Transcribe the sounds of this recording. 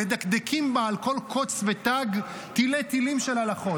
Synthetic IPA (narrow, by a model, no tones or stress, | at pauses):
ed̪akd̪ekʰimbaːlko̞lkʰot͡svet̪aɡ | t̪ilet̪ilimʃelhalaχo̞